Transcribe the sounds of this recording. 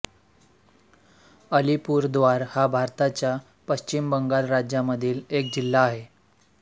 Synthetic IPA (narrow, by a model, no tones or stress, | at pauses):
əlipuːɾd̪ʋaɾhabʱaɾt̪at͡ɕja | pəɕt͡ɕimbəŋɡalɾad͡ʑjaməd̪ʱiːlek̚d͡ʑilːaːɦe